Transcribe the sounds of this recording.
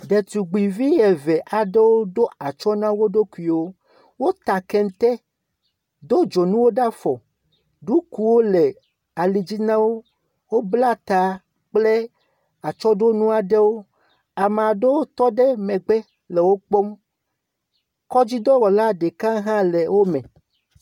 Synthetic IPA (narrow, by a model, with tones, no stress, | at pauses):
ɖe˨t̪u˨ɡ͡bi˨vi˦jɛ˨vɛ˨ʔa˨ɖe˦wo˦ɖo˦a˨t͡ʃɔ˦nã˦wo˦ɖo˦ku˦˨i˨wo˦ | wo˦t̪a˨kɛ˦n˦t̪ɛ˦ | d̪o˦d͡ʒo˨nũ˦wo˦ɖa˦fɔ˨ | ɖu˦ku˨wo˦lɛ˨ | a˨li˨d͡ʑi˦nã˦wo˦ | wo˦bla˦t̪a˨ | k͡ple˦ | a˨t͡ʃɔ˦ɖo˦nũ˦a˨ɖe˦wo˦ | a˨me˨a˨ɖe˦wo˦t̪ɔ˦ɖɛ˦mɛ̃˨ɡ͡bɛ˦ | lɛ˨wo˦k͡po˦m | kɔ˦d͡ʑi˦d̪ɔ˦wɔ˨la˦ɖe˨kã˦ɦã˦le˨wo˦mɛ̃˨